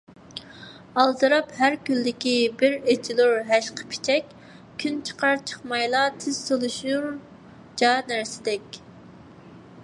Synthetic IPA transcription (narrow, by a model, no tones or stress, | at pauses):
ɑlˠd̪ɨɾɑphæɾkʲylːdɪkʲibɪɾet͡ʃʰilˠuɾɦæʃqʰə̥pʰi̥t͡ʃʰɛkʲʰː | ynt͡ʃʰə̥qʰɑɾt͡ʃʰə̥χmɑjlˠɑt̪ʰɪz̥solˠuʃuɾ | d͡ʒɑːnæɾsɪ̥d̪ɛkʲ